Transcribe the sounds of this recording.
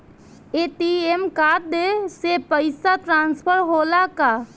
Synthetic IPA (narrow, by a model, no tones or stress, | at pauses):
et̪iemkaːɾ̚d̪esepəɪsat̪ɾãːnspʰəɾɦoːlaka